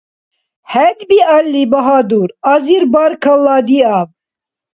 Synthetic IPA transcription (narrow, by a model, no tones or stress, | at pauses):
hɛd̪bialːibɐɦaːd̪uːɾaziɾbaɾkʰɐlːɑːd̪iɑb